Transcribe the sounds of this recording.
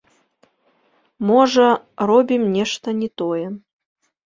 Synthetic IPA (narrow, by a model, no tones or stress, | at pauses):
mɔʐɐ | rɔbʲimnʲɛʂt̪ɐnʲɛt̪ɔjɛ